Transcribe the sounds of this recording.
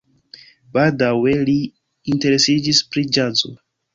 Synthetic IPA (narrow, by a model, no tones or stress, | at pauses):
b̥aldawe̞li | inte̞ɾe̞sid͡ʒispɾid͡ʒazo̰